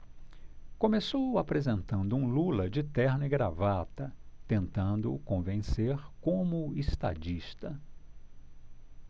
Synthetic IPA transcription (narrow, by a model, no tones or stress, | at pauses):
kõmesowapɾezẽnt̪ɐ̃nd̪ʊũlulɐd͡ʒɪt̪ɛɾnɪɡɾavat̪ɐt̪ẽnt̪ɐ̃nd̪ʊ̰kõvẽseɾkõmʊest̪a̰d͡ʒiʃt̪ɐ